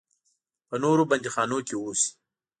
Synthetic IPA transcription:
pənoɾobɐnd̪ixɑːnokeos

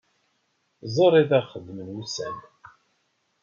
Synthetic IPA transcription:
zˤoɾˤiðæʁχəd̪ːmənwusæ̰n

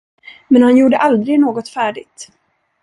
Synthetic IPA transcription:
mɛnhanjuːɖəʔald̪ɾɪɡnoːɡɔt̪fæːɖɪɡt̪

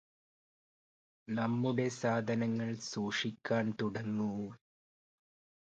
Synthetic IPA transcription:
nɐmːuɽe̞saːd̪ʱɐnɐŋːɐɭsuːʂikʲːaːnt̪uɽɐŋːu

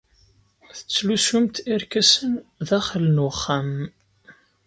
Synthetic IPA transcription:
θə̥t͡sːlusumt̪iɾkæsənðæχəlnχːam

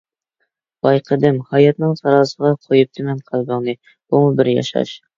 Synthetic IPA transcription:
b̥ɑjqʰəd̪ɪmhɑjɛt̪̚nɨŋsɑɾɑːsəʁɑqʰojup̚t̪ʰɪmɛnqʰɑlˠɡɑŋnˠɨ | b̥umubɪɾjɑ̰ʃɑ̰ʃ

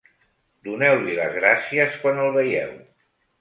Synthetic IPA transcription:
d̪unɛwliləzɣɾasiəskwanəlˠβəjɛ̰w

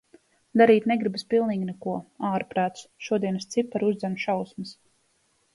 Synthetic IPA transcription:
d̪aɾiːt̪nɛɡɾibaspilˠniːɡʲinɛkuɔaːɾpɾaːt̪sʃuɔd̪iɛnst̪sipːaɾuzd̪zɛnʃawsmɐs

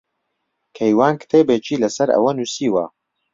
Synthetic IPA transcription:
kʰɐjwaːnkt̪ʰeːbeːt͡ʃʰiːlɐsɐɾɐ̰wɐnuːsiːwɐ̰

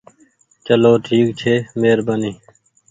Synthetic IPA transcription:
t͡ʃəloːʈʰiːkt͡ʃʰeːmeːɾbəniː

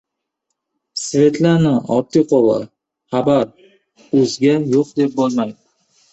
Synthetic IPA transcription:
sve̞t̪ʰlanɪɒɾt̪ʰːijqʰolˠɑ̰ | χabaɾ | ɵzɡʲajoqd̪e̞p̚bolmaj̪ɪ

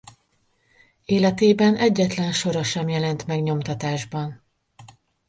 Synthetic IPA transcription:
eːlɛt̪eːbɛnɛɟːɛt̪lɛnʃo̞ɾɒʃɛmjɛlɛnt̪mɛɡɲo̞mt̪ɒt̪aːʒbɒn

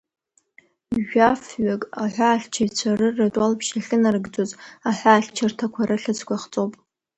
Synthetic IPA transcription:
ʒᶣafɥakʼaħʷᶣaːɬʲt͡ʃʰajt͡ɕʷʰarɨrːatʼalpʰʃaɬɨnarɡd͡zozaħʷaːɬt͡ʃʰartʰakʷʰaɾaɬɨt͡sʰkʷʰaχt͡sʼowpʼ

